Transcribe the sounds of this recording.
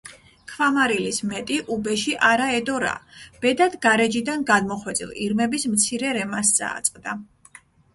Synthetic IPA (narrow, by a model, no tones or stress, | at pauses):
kʰvamaɾilismɛt̪ʼiʔubɛʃiʔaɾaɛd̪ɔɾa̰b̥ɛd̪ad̪ɡaɾɛd͡ʒid̪anɡad̪mɔχwɛt̪sʼḭlˠḭɾmɛbismt̪sʰiɾɛɾɛmasd̪zʼa̰ːt̪sʼqʼd̪a